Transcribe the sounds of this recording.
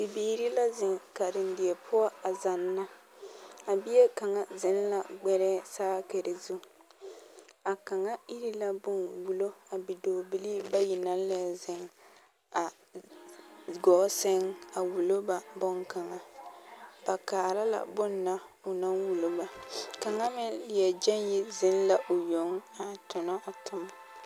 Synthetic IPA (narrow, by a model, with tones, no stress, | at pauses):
bi˨biː˨ɾi˦la˦zɪ˨ŋka˨dɪ˨n˦dɪ˨ɛ˨pʰʊ˦a˦a˨za˨nːa˦ | a˨bi˦e˦ka˨ŋa˨zɪ˨˦n˦la˨ɡ͡bɛ˦ɾɛː˦saː˦ke˨ɾe˨zu˦ | a˨ka˨ŋa˦i˦ɾi˦la˦bʊ˦nwu˨lo˦a˨bi˨doː˨bi˨li˦ba˦ji˨na˦n˦lɛ˨zɪ˨ŋ | a˨ | ɡɔ˨˦sɪ˦ŋa˨wu˨lo˦ba˦bɔ˦ŋka˨ŋa˨ | b̥a˨kaː˨ɾa˦la̰˨bʊ˦nːa˦ | ʊ˨na˦nwu˨lo˦ba˨ka˨ŋa˦mɪ˦lɪ˨jɛ˨d͡ʒɛ˦nji˦zɪ˦n˦la˦ʔo˨jo˨ŋ˦a˨tʊ˨nɔ˦ʔa˨tʰʊ˨m˦